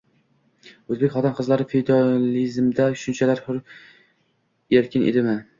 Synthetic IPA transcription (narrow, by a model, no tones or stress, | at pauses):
ɵzbekʲχɒt̪ɪnqʰɨzlaɾɪfed̪ɑlizmd̪aʃʊnt͡ʃʰalaɾχʊɾ | eɾkʲɪnʔḛd̪ɪmɪ